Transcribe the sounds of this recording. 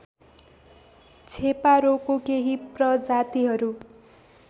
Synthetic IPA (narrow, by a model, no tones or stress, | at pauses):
t͡sʰepaɾokokeɦiprʌd͡zat̪iɦʌɾu